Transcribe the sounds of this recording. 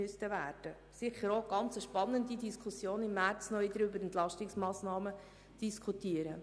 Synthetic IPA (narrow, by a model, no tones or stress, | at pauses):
yst̪əʋæːɾd̥ə | sɪχəɾoɡɑnt͡səʃpɑnːəndidiskʰusjoːnɪmːæɾt͡snɔɪd̪əɾybəɾɛnt̪lɑʃtɪksmɑːsnɑːmə | d̥iskʰut̪iəɾə